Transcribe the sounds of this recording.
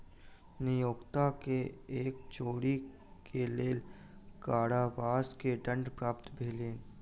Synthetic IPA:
nɪjoːkt̪akeeːk̚t͡ʃoːɽi | keleːl | kaːɽaʋaːskeɖə̃ɳɖpɾaːpt̪bʱeːleːn

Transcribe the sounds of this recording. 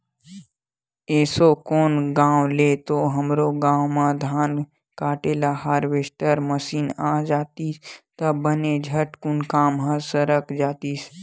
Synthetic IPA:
ɛːsokoːnɡãːwleːt̪oɦəmɾoɡãːwmãd̪ʱaːn | kaːʈeːlaɦaːɾʋeːsʈəɾməsiːnaːd͡ʒaːt̪it̪əbəned͡ʒʱəʈkʊnkaːmɦə̃səɾəkd͡ʒaːt̪is

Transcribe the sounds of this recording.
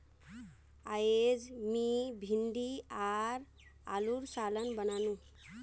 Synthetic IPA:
aed͡zmibʱinɖ̪iaɾ | aluɾsalənbʌnanũ

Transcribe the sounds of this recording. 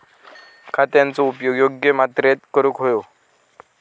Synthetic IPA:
kʰat̪jant͡soupjoɡjoɡjəmat̪ɾet̪kəɾukɦojo

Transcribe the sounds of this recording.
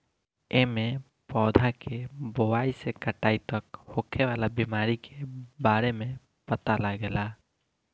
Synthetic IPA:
emẽ | pɔːd̪ʱakeboʋaːisekəʈaːit̪əkhoːkʰeʋaːlabimaːɾikʰebaːɾemẽ | pət̪alaɡelaː

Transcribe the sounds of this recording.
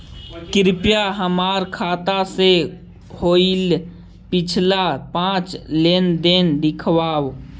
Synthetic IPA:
kɪɾpjaɦəmaːɾkʰaːt̪ase | hoːil | pɪt͡ʃʰlapãːt͡ʃlend̪end̪ɪkʰwaːw

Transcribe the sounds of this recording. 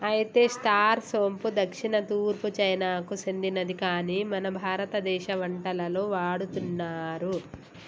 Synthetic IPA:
ɐjt̪eːsʈaːɾso̞ːmpud̪ɐkʂinɐt̪uːɾput͡ʃɐjnaːkusend̪inɐd̪ikaːniːmɐnɐbʱaːɾɐt̪ɐd̪ɛːʃɐʋɐɳʈɐlɐloːʋaːɽut̪unːaːɾu

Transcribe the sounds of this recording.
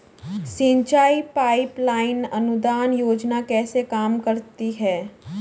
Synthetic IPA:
sɪ̃ɲt͡ʃaːipaːɪplaːɪnɐnʊd̪aːnjoːd͡ʒnakɛːsekaːmkɐɾt̪iɦɛː

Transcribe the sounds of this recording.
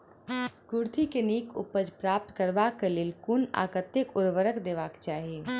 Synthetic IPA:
kʊɾt̪ʰikeniːkʊ̰pəd͡ʒpɾaːp̚t̪kəɾʋaːkːeleːlkʊna̰ːkət̪jəkʊɾʋəɾəkd̪eːʋaːkt͡ʃaːɦie

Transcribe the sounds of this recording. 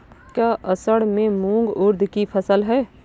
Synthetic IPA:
kaʔəsəɽmẽmũŋɡʊɾd̪ʱkipʰəsəlɦɛː

